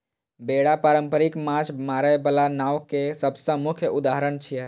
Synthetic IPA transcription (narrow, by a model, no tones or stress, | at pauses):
beɽapaɾəmpəɾikmad͡ʒʰmaɾəebalanawkesəbsə̃mukʰjəud̪aɦəɾəɳt͡ʃʰijɛ